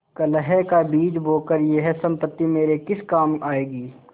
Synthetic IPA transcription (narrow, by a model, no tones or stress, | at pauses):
kələɦɛkabiːd͡ʒboːkəɾjeɦɛsɐ̃mpət̪ːimeːɾekɪskaːmaːeːɡiː